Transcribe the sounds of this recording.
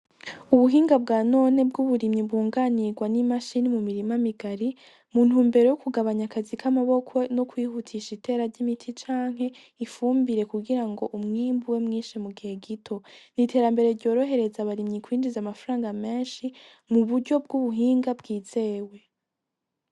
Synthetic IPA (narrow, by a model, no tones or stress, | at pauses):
uβuɦiːŋɡabɡaːno̞ne̞b̚ɡuβuɾimɲibuːŋɡaniɡwanimaʃinimumiɾimamiɡaɾi | mun̥huːmbe̞ɾo̞jokuɡaβaɲakazikʰamaβo̞kʰo̞no̞kwiːhutʰiʃite̞ːɾaɾɟimitʰit͡ʃaːŋ̥he̞ | ifuːmbiɾe̞kuɡiɾaŋɡo̞ʔumŋiːmbuwe̞mŋiːʃimuɡieɡitʰo̞nitʰe̞ːɾambe̞ɾe̞ɾɟo̞ːɾo̞ɦe̞ɾe̞zaβaɾimɲikwiːnd͡ʒizamafaɾaːŋɡame̞ːnʃi | muβuɾɟo̞b̚ɡuβuɦiːŋɡabɡiːze̞ːwe̞